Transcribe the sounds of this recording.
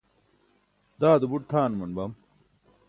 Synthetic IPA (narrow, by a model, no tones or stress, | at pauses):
d̪aːd̪ubuʈ̚t̪ʰaːnmɐnbɐm